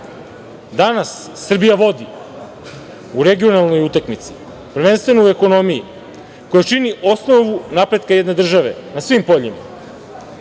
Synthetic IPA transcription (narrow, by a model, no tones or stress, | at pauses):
d̪anasːr̩bijaʋo̞d̪i | uɾe̞ɡio̞nalˠno̞jut̪akmit̪si̥ | prʋe̞nst̪ʋe̞noue̞ko̞no̞miji | ko̞jat͡ʃiniʔo̞sno̞ʋunapɾe̞d̪̚kajed̪ne̞d̪r̩ʒaʋe̞nasʋimpo̞ʎima̰